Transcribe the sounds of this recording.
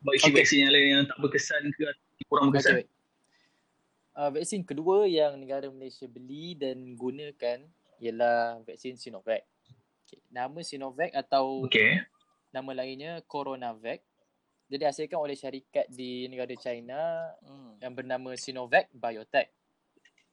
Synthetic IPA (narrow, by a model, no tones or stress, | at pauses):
basivɛk̚sinalaijaŋt̪aʔbəkəsankəa | dikuɾaŋbəksa | ʔəvɛk̚sinkəduəjaŋnə̃ɡaɾaməlajsiabəlidanɡunə̃kan | iəlahvɛk̚sinsinɔvɛk̚ | okenamə̃sinovɛkat̪awoke | nãmə̃laiɲəkoɾonavɛk̚ | d͡ʒadiasalkanolɛhʃaɾikat̪̚dinəɡaɾat͡ʃajna | jaŋbərnãmə̃sinɔvɛk̚bajɔt̪ɛk̚